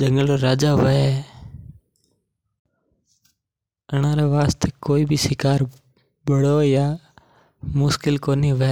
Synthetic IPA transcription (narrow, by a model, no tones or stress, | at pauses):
d͡ʒəŋɡəloːɾaːd͡ʒaːʋəeː | ənãːɾeːʋaːst̪ʰeːkoːiːbʱiːsɪkaːɾ | ɓəɽoːjaː | mʊskɪlkoːniːʋə